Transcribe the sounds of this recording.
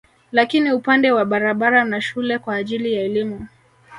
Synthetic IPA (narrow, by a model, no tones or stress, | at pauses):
lakiniupandɛwaɓaɾaɓaɾanaʃulɛkwaːʄilijaɛlimu